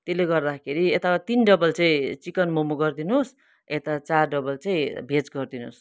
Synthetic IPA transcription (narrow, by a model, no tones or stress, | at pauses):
t̪eleɡʌrd̪akʰeɾiet̪at̪inɖʌbʌlt͡sʌĩt͡sikʌnmomoɡʌrd̪inus | et̪at͡sarɖʌbʌlt͡sʌĩbʱet͡sɡʌrd̪inṵs